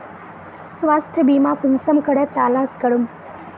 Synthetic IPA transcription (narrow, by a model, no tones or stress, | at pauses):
sʋast̪ʰjəbimãpunsəmkəɽet̪aːlãskəɽum